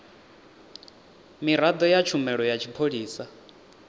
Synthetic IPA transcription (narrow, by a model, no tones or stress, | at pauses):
miɾad̪ɔjat͡ʃʰumɛɺɔjat͡ʃʰipʰoɺiːsa